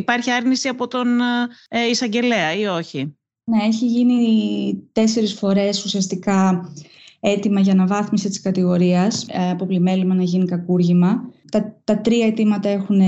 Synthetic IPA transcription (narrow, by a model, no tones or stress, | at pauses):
ipɐɾçiɐɾnisiɐpo̞t̪o̞n | isɐɲɟe̞leɐio̞çi | ne̞e̞çiʝinit̪e̞se̞ɾisfo̞ɾe̞susiɐst̪ikɐ | e̞t̪imɐʝɐnɐvɐθmisit̪i̥skɐt̪iɣo̞ɾiɐsɐpo̞plime̞limɐnɐʝinikɐkuɾʝimɐt̪ɐt̪ɐt̪ɾiɐe̞t̪imɐt̪ɐe̞xun